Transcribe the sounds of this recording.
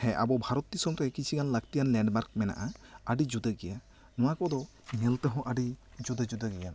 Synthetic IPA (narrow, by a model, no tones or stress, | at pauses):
hɛ̃ʔabɔbʱaɾɔt̪ːisɔmɾɛkit͡ʃʰiɡanlaɡt̪ijanlɛɳɖmaɾk̚mɛna̰ʔaaɖid͡ʒud̪əɡɛja | nɔwakɔd̪ɔ | ŋɛlt̪əɦɔ̃ʔaɖi | d͡ʒud̪əd͡ʒud̪əɡɛjan